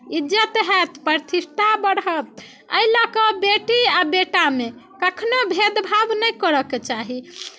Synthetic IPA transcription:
id͡ʒət̪ɦɛt̪pəɾt̪ʰisʈʰabəɽɦət̪̚ | ə̰ilakəbeʈiabeʈamekəkʰnobʱed̪bʱabnəjkəɾəket͡ʃaɦi

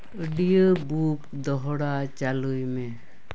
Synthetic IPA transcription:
əɖijəbup̚d̪ɔɦɔɽat͡ʃalujmɛ

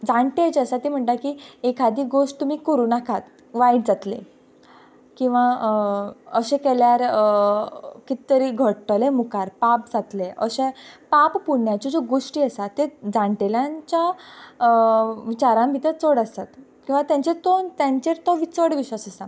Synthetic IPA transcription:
d͡zaɳʈed͡ʑəsat̪im̤əɳʈ̪akiekʰad̪iːɡoʂʈ̚t̪um̤iːkəɾuːnakʰat̪ | ʋaiɽd͡zat̪lḛ | kĩw̃ʋa | əɕẽkɛljaɾ | kit̪t̪əɾiɡʱəɽʈəlemukaɾpap̚d͡zat̪lẽʔə̰ɕẽpappuɳjat͡ɕɔd͡zoɡoʂʈiːəsat̪ːed͡zaɳʈeljãɲt͡ɕja | ʋit͡ɕaɾãmbit̪ət͡sɔɽəst̪at̪kĩw̃ʋat̪jãɲt͡ɕet̪ɔt̪jãɲt͡ɕeɾt̪ɔʋit͡səɽʋiɕʋasəsa

